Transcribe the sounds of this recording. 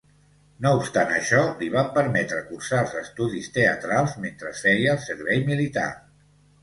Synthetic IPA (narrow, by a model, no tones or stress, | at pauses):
noupst̪anə̰ʃɔliβ̞ampəɾmɛt̪ɾəkursalˠzəst̪uðist̪eət̪ɾalˠzment̪ɾəsfɛjəːlˠsəɾβɛjmilit̪a̰